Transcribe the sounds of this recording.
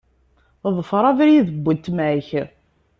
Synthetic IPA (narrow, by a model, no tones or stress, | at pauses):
ðˤəfɾˤɑvɾjiðəbʷːənt̪ːmæç